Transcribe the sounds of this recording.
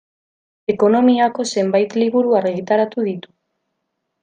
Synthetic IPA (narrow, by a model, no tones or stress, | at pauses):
e̞ko̞no̞miako̞se̞mbajt̪liβuɾuaɾɣit̪aɾat̪uðit̪u̥